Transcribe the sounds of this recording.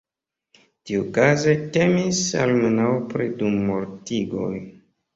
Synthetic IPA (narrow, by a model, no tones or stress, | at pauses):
tiukazete̞misa̰lmenawpɾidumːoɾtiɡo̞̰j